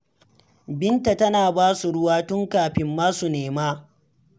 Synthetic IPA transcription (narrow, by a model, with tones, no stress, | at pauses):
bɪ˦nta˨tɐ˦naː˨baː˦su˨ɽʊ˦waː˦tʊ˦ŋkaː˨ɸɪ˦mːaː˦su˨neː˨maː˦